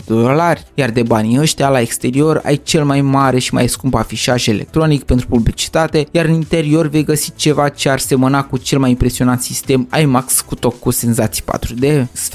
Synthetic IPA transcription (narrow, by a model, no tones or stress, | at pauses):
d̪olarʲjard̪e̞baniəʃt̪ʲalae̞kst̪e̞ɾio̞ɾa̰jt͡ʃe̞lmajmaɾe̞ʃima̰jskumbafiʃaʒe̞lḛk̚t̪ɾo̞nikpe̞nt̪ɾupublit͡ʃi̥t̪at̪e̞jaɾɨnint̪e̞ɾio̞rve̞jɡəsit͡ʃe̞vat͡ʃe̞arse̞mənakut͡ʃe̞lmajimpɾe̞sionant̪sist̪e̞ma̰jmakskut̪o̞kːuse̞nzat̪si̥jpa̰t̪ɾud̪e̞sf